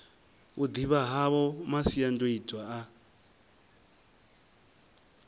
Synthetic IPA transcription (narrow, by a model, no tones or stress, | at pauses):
ud̪iβaɦaβɔmasiandoitʼwaa